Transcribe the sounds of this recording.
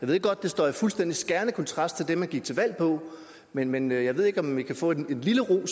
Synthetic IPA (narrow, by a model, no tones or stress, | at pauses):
jɑɪeðˠeɡɒ̽d̥̚ːe̝sd̥ɒ̰ːjfulsd̥en̰d̥isɡ̥æɐnəkʰɒnt͡sʰʁɑ̈sd̥̚t͡sʰe̝ld̥emhænɡiɡ̥̚t͡sʰe̝ʋæl̰pʰɒ̽ | menmenjɑ̈ɪe̝ð̞̰ˠe̝ɡ̥ɒ̽mʋikʰæfɔ̰̽ne̝nliləʁo̰ːs